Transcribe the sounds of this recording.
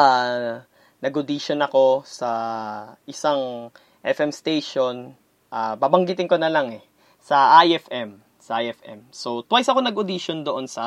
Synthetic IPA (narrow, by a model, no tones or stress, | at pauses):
a | nɐɡʊd̪iːʃonɐko̞sɐ | ʔɪsaŋ | ʔɛfɛmst̪ejʃon | ʔababɐŋɡɪt̪ɪŋkonɐlɐŋɛ | sɐʔajɛfɛm | sɐʔajʔɛfʔɛ̰mso̞wt̪wajsɐko̞nɐɡʊd̪iʃond̪oʔonsɐ